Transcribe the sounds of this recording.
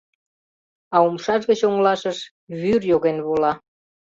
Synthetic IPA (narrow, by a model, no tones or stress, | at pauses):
ɑumʃɑʃɣət͡ɕoŋlɑʃəʃ | βyrjoɣenβulɑ